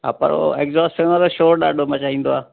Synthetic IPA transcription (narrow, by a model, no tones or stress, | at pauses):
ɦa̰ːpɐ̰ɾo̰ekzaːsʈɪmãt̪oʃoːɾɗa̰ːɖʱomãt͡ʃaːɦĩːn̆d̪oaː